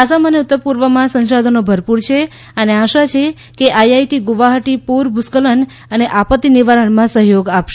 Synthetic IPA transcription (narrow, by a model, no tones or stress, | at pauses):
asaməneʊt̪ːəɾpuɾʋəmãsə̃nʃad̪ʱənobʱəɾpuɾt͡ʃʰe | əneaʃat͡ʃʰe | keʔajajʈiɡuʋaɦəʈipuɾbʱuskələn | əneʔapət̪ːiniʋaɾəɳmãsəɦjoɡapʃe